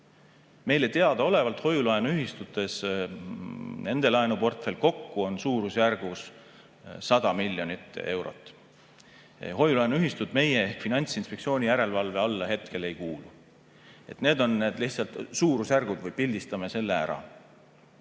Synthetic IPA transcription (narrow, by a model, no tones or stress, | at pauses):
me̞jlet̪e̞ɑd̪̥ɑo̞le̞vɑlt̪ho̞julɑenuyɦist̪ut̪ːˑe̞s | ne̞nd̪̥e̞lɑenupo̞rt̪ˑfe̞lʲko̞kːuo̞nsuːɾusjærɡ̥us | sɑd̪̥ɑmilʲːjo̞nʲit̪ːˑe̞wɾo̞̰t̪ːˑ | ɦo̞julɑenuyɦist̪ud̪̥me̞jeehkfinɑnʲt̪sinspekt̪sio̞ːnʲijæɾe̞lvɑlve̞ɑlːɑɦe̞t̪ke̞le̞jkuːlu | e̞t̪neːd̪o̞nːe̞ːd̪̥lihtsɑlt̪suːɾusjærɡ̥ud̪vɤjpilʲd̪ist̪ɑmese̞lːe̞æ̰ɾɑ̰